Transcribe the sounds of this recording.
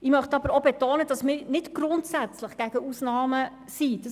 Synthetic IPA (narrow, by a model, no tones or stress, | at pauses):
ɪmœχtɑbəɾobɛtoːnəd̥ɑsmɪɾnɪtɡ̥ɾʊntsæt͡slɪχɡ̥æɡ̥əusnɑːmə | sid̥ɑ